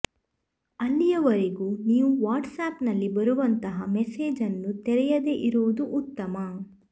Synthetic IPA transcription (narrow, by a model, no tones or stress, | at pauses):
ɐlːijɐʋɐɾeɡuːniːʋuʋaːɾʈsaːpnɐlːibɐɾuʋɐnt̪ɐɦɐmɛseːd͡ʒɐnːut̪ɛɾɛjɐd̪eʔiɾuʋud̪uʔːt̪ːɐmɐ